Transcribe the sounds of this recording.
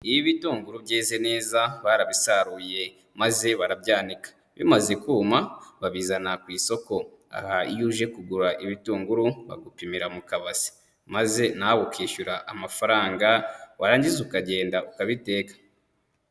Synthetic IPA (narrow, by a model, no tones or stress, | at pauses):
iβiβituːŋɡuɾubɟeːzene̞ːzaβaɾaβisaɾuːje̞ | maze̞βaɾabɟaːnikḁ | βimaze̞kuːmaβaβiːzanakwiːso̞ko̞ | a̰haijuʒe̞kuɡuɾaʔiβituːŋɡuɾuβa̰ɡupimiɾamukaβasi̥ | maze̞nawokiːʃuɾaʔamafaɾaːŋɡawaɾaːɲɟizukaɟe̞ːndaukaβite̞ːkḁ